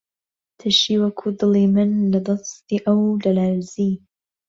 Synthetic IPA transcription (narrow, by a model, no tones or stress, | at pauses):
t̪ʰɨʃiwɐkʰud̪ɨlˠimɨnlɐd̪ɨst̪iːʔɐwlɐlaːɾzi